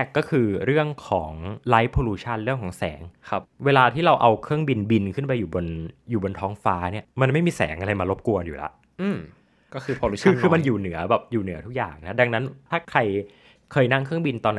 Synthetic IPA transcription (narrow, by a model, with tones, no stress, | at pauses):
ɾɛː˥˩kːɔː˥˩kʰɯː˧ɾɯ˥˩əŋkʰɔː˩˦ŋla˦˥jpʰoː˧luː˧˥t͡ɕʰa˥˩nɾɯ˥˩əŋkʰɔː˩˦ŋsɛ̰ː˩˦ŋkʰa˦˥p̚weː˧laː˧t̪ʰiː˥˩ɾa˧wʔa˧wkʰɯ˥˩əŋbi˧nbi˧nkʰɯ˥˩npa˧juː˨˩bo˧njuː˨˩bo˧nt̪ʰɔː˦˥ŋfaː˦˥ni˥˩ɐma˧nma˥˩jmiː˧sɛ̰ː˩˦ŋʔa˧ɾa˧jmaː˧lo˦˥p̚ku˧ɐənjuː˨˩la̰˦˥ʔ | ʔɯː˧˩m | kɔː˥˩kʰɯː˧pʰoː˧luː˦kʰɯː˦˧kʰɯː˧ma˧njuː˨˩nɯ˩˦ɐbɛː˨˩p̚juː˨˩nɯ˨˩˦t̪ʰu˦˥k̚ja̰ː˨˩ŋna˦˥da˧ŋna˦˥nt̪ʰaː˥˩kʰɾa˧j | kʰɤː˧jna˥˩ŋkʰɯ˥˩əŋbi˧nt̪ɔː˧nː˦